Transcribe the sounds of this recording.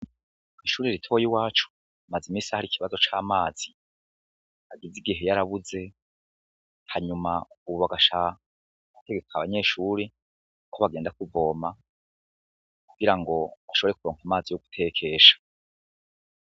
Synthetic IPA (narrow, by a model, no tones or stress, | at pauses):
iʃuːɾeɾitʰo̞jiwaːt͡ʃu̥ | mazimiːsahaɾikiβazo̞t͡ʃaːmaːz̥i | aɡiziɡiɦe̞jaɾaβuze̞ | haɲumauβuβaɡaʃa | βateɡe̞kʰaβaɲe̞ːʃuːɾe | kʰoβaɡe̞ːndak̚uvo̞ːma | kuɡ̥iɾaŋɡo̞βaʃoβe̞ɾe̞k̚uɾo̞ːŋ̥kamaːzijoɡu̥tʰe̞ːkʰe̞ʃḁ